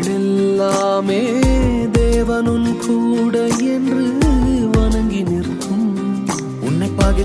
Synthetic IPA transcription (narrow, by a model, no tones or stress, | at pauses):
ɛlːaːmeː | d̪eːʋɐnɯnkʰuːɽɐɛndrɯʋɐnɐŋɡinɪrkːɯm | ʊnːɐɪpːaːɣɪ